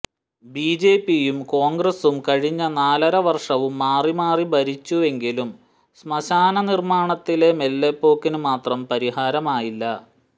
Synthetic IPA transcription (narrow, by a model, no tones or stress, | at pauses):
biːd͡ʑeːpːijumko̞ːŋɡrɐsumkɐɻiɲːɐnaːlɐɾɐʋɐrʂɐʋumːaːrimaːribɐɾit͡ɕːue̞ŋɡilum | smɐɕaːnɐnirmaːɳɐt̪ːile̞melːepːo̞ːkːinumaːt̪rɐmpɐɾihaːɾɐmaːjilːɐ